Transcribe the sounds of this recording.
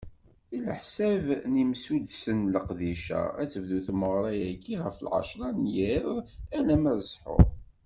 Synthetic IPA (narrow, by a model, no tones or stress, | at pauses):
ilə̰ħsævnimsud̪sənləqðiʃæ̰æt͡sːəvðuθməʁɾˤɑjækːiʁəfəlʕa̰ʃɾˤɑnjiɾælæmæðəsħʊ̰ɾ